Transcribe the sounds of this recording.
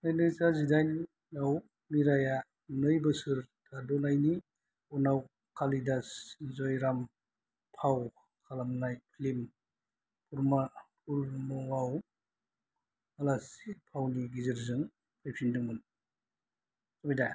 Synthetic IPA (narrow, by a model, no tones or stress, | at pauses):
najnɯjsazidajn | aw | miɾaja | nɯjbɯsɯɾdʰadɔnajni | unaw | kʰalidaszɔjɾam | pʰaw | kʰalamnajpʰlim | pʰuɾmapʰuɾmɔaw | alasipʰawniɡizɯɾzɯŋ | pʰajpʰindɯŋmɯn | kʰabida